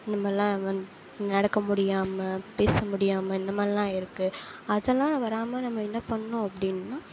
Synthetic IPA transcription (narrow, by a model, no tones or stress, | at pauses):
nɐmːɐlːãːɐnd̪ | nɐɽɐkːɐmʊɽɪjaːmɐpeːsɐmʊɽɪjaːmɐɪnːɐmaːllãːɪɾɯkːɯɐðɛlːãːʋɐɾaːmɐnɐmːɐɪnːɐpɐɳːʊ̃ɐpːɐɽɪnːɯnːãː